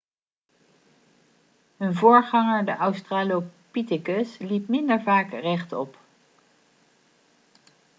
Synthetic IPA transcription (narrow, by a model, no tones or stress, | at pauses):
ɦənvʊːɹχɑŋəɹdəʔawstraːlopitɪkəslipmɪndəɹvaːkrɛχtɔ̰p